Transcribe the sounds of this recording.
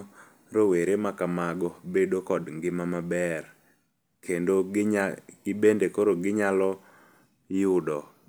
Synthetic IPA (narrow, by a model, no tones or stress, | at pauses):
ɾoweɾemakamaɡɔbedokɔdŋɡɪmamabɛr | kʰendo | ɡ̥ɪbendekoɾoɡɪɲalɔ | jʊdɔ